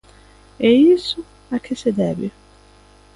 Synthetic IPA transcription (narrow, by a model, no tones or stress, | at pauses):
ɛisʊ | akʰɪsed̪ɛbɪ